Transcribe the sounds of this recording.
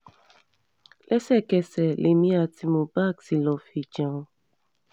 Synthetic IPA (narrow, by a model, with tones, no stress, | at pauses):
lʔɛ˦sɛ˦˨kɛ˨sɛ˨le˨mĩ˦a˨ti˧mõ˨ba˦˨ksi˨lɔ̃˨fi˨d͡ʒã˨˦˨